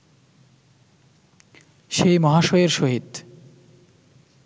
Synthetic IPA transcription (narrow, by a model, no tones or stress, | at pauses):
ʃejmɔɦaʃoeɾʃoɦit̪